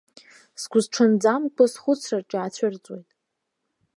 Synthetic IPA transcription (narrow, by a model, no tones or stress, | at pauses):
sɡʷʊzʈ͡ʂʰɨnd͡zamkʷʰasχʷʊt͡sʰrarʈ͡ʂʼaːt͡ɕʷʰɪrt͡sʼwḛjtʼ